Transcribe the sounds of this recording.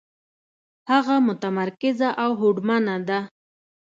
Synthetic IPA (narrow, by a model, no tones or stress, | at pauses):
haɣamʊt̪amaɾkɪzaʔawɦoɖmanad̪a